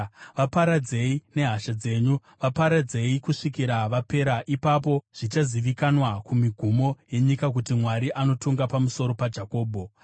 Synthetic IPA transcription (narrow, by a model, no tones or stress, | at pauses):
ʋapaɾad͡ze̞ine̞ɦaʃad͡ze̞ːɲu | ʋapaɾad͡ze̞ikuʂikiɾaʋape̞ɾaʔipapo̞ʐ̥it͡ʃaziʋikanwakumiɡʱumo̞je̞ɲikak̬utimwaɾiʔano̞tʰuŋɡapamuso̞ɾo̞pad͡ʒako̞ːbʱo̞